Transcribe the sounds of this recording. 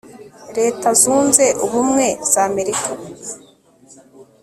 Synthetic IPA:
ɾe̞ːtazuːnze̞ʔuβumŋe̞z̥aːme̞ɾika

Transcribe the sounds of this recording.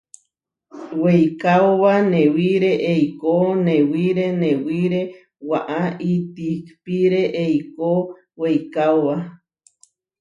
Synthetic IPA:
wejkaoβanẽwiɾeʔejkonẽwiɾenẽwiɾe | waʔaʔit̪ikpiɾeʔejko | wejkawβa

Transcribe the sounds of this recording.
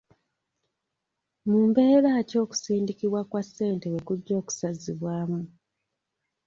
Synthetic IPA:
muːmbe̞ːɾaco̞ːku̥siːndikiβwakwasːe̞ːntewekuɟːo̞ːku̥saziβwaːmu

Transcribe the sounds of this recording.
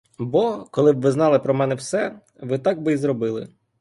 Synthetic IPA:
bɔkɔlˠɪbʋɪznɑlˠɪpɾɔmɛnɛwsɛ | ʋɪt̪ɑɡ̚bɪizrɔbɪlˠɪ̰

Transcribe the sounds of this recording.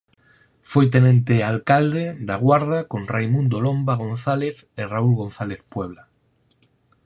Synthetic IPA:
fojt̪̬enẽnt̪ealkald̪ed̪aɣwaɾðakõnrajmũnd̪olombaɣ̞õnθaleθeraulɣõnθaleθpweβ̞la

